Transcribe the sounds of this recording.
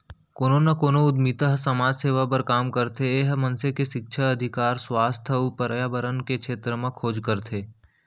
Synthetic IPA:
koːnonɐkoːnoʊd̪miːt̪əɦəsɐmaːd͡ʒseːʋapɐɾkaːmkɐɾt̪ʰeeːɦmɐnsekeʃɪk̚ʃʰəɐd̪ʱɪkaːɾswaːst̪ʰəupəɾjaːbəɾənkekʃʰeːt̪ɾəmẽkʰoːd͡ʒkəɾt̪ʰeː

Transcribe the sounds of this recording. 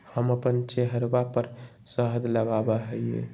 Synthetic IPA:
həməpənt͡ʃeɦəɾbapəɾ | səɦəd̪ləɡabəɦəiḛ

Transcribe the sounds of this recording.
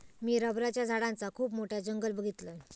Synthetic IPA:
miːɾəbɾat͡ɕjad͡zʱaɽãnt͡sakʰuːpmoʈʰjad͡ʑəŋɡəlbəɡʱit̪lə

